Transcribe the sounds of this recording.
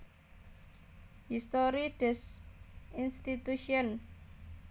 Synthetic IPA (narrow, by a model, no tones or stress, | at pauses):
hist̪oɾiɖ̥ɛs | inst̪it̪uʃiɔn